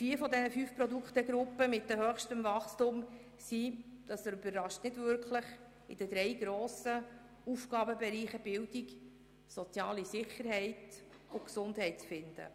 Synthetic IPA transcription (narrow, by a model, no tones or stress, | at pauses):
fiːfɔd̪ɛnəfyːfpɾɔdukχt̪əɡɾʊpːəmɪt̚dəhœχʃtəmvɑχstʊm | sid̪̥ɑsɛɾybərːɑʃtnɪdvʏɾkʰləχ | ɪd̥əd̪ɾɛɪɡ̥ɾoːsə | ufɡ̥ɑːbəbɛɾiːχəb̥ɪldik | sɔt͡sjɑːlisɪχəɾhɛɪt | ʊksʊndhɛɪt̚t͡sfɪnd̥̪ə̰